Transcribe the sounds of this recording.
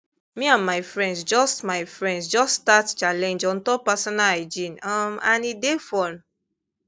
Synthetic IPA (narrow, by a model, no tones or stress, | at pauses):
mĩãnmajfɹɛ̃ndsd͡ʒɔstmajfɹɛ̃ndsd͡ʒɔststatt͡ʃalɛ̃nd͡ʒɔ̃n̩tɔpasɔnaaɪd͡ʒĩnɔmanidefɔn